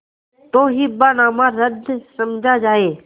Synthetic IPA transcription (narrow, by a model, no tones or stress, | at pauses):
t̪oːɦiːbaːnaːmãːɾəd̪ʱsəmd͡ʒʱaːd͡ʒaːeː